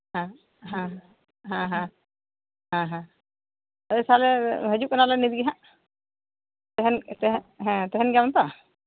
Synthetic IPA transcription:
ɦã | ɦãɦ | ɦãɦã | ɦãɦã | əsalɛɦəd͡ʒukənalanid̪ɡiɦãʔ | t̪ɛɦɛnt̪ɛɦɦɛ̃t̪ɛɦɛnɡawnt̪a

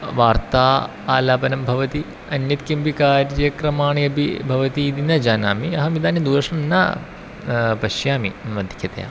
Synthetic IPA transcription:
ʋaːɾt̪aː | aːlaːpɐnɐmbʱɐʋɐt̪i | ɐnjɐt̪kimpikaːɾɐkɾɐmaːɳiɐbʱḭbʱɐʋɐt̪iːd̪inɐd͡ʒaːnaːmiɐɦɐmid̪aːnid̪uːɾɐʂɐmna̰ː | pɐʃjaːmḭmɐd̪ʱɐkʰɐt̪ɐja̰ː

